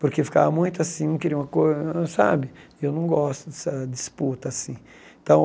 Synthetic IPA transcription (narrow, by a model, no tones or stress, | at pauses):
poɾkefi̥ka̰vɐmũj̃t̪ʊasĩũkeɾiɐũmɐkojzɐ̃sa̰bɪewnɐ̃w̃ɡɔst̪ʊd̪ɛsɐd̪ɪsput̪ɐasĩ | ẽt̪ɐ̃w̃